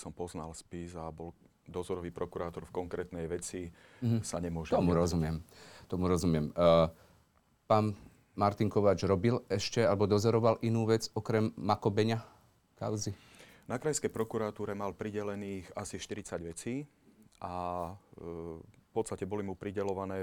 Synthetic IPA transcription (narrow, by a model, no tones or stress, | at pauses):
sɔmpɔznalspizabɔl | d̪ɔzɔɾɔʋiːpɾɔkuɾaːt̪ɔɾfkɔŋkɾɛt̪nɛjʋɛt͡si | ɦsa̰ɲɛmʊɔʒt̪ɔmuɾɔzumɪɛmt̪ɔmuɾɔzumɪɛm | paːn | maɾt̪iŋkɔʋaːd͡ʒɾɔbilɛʃcɛalɛbɔd̪ɔzɔɾɔʋalʔinuːʋɛd͡zɔkɾɛmːakɔbɛɲa | kaʊzi | nakɾajskɛjpɾɔkuɾat̪uːɾɛmalpɾiɟɛlɛniːxasiʃt̪iɾit͡saɟʋɛt͡siː | ʔa | fpɔt̪st̪acɛbɔlimupɾiɟɛlɔʋanɛː